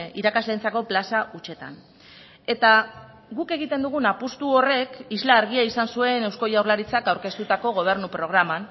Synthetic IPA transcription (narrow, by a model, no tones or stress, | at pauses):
iɾakazlent͡sako̞plasaʔut͡ʃe̞t̪a̰n | e̞t̪a | ɣuke̞ɣit̪e̞nd̪uɣ̞unapust̪uo̞re̞kizlaːɾɣ̞iaisansue̞ne̞wskojawɾlaɾit͡sakawɾke̞st̪ut̪ako̞ɣo̞β̞e̞ɾnupɾo̞ɣ̞ɾaman